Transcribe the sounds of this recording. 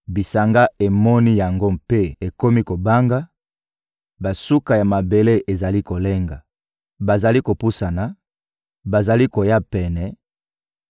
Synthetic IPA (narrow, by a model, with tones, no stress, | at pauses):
bi˨sa˨ŋɡa˦e˨mɔ˦ni˦ja˨ŋɡo˦mpe˦e˨ko˦mi˦ko˨ba˦ŋɡa˦ | ba˨su˦ka˨ja˨ma˨be˨le˦ʔe˨za˨li˦ko˨le˦ŋɡa˨ | ba˨za˨li˦ko˨pu˦sa˨na˨ | ba˨za˨li˦ko˨ja˦pɛ˨nɛ˨